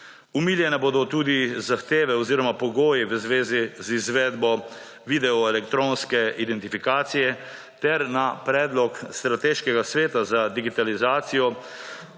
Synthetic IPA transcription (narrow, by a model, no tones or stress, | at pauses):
umiljɛnɛbod̪ɔt̪uːd̪izaxt̪eːʋɛɔziːɾɔmapɔɡoːjiʋəzʋeːzizizʋɛːd̪bɔ | ʋid̪ɛɔɛlɛkt̪ɾonskɛʔid̪ɛnt̪ifikaːt̪sijɛ | t̪ɛɾnapɾɛːd̪lɔkst̪ɾat̪eːʃkɛɡasʋeːt̪azad̪iɡit̪alizaːt̪sijɔ